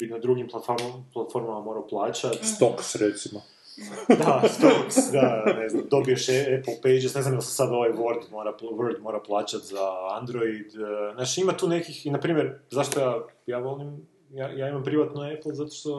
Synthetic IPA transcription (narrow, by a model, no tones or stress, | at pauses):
inad̪ɾuɡimplˠat̪foɾaplˠat̪fo̞ɾmamamo̞ːɾaoplˠaːt͡ɕat̪st̪oksɾet̪simo | d̪ast̪oksd̪amneznamd̪o̞bieʃepl̩ˠpejd͡ʒesne̞znamj̪alˠsesad̪o̞ʋajʋoɾd̪mo̞ɾaʋoɾd̪moɾaplˠaːt͡ɕat̪zaand̪ɾoid̪naːʃimat̪uːnekixinapɾiːmjeɾzaʃt̪ojaːjaːʋo̞lim | jajaːimampɾiʋat̪noeplˠzat̪o̥ʃt̪o̞